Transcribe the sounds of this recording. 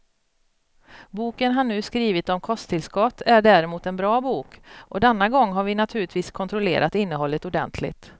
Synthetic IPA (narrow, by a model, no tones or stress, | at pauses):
buːkənɦaɳːʉ̟ːskɾiːvɪt̪ɔmkʰɔst̪ʰːɪlskɔt̪ːæɖæɾɛmuːt̪ɛnbɾɑːbuːkʔɔd̪ɛnːaɡɔŋːɦaɾvɪnat̪ʰʉ̟ːɭɪt̪ʰviːskʰɔnt̪ʰɾʊlḛːɾʔat̪ɪnːəɦɔlːət̪ʊɖɛ̰nt̪ʰlɪ̰ɡt̪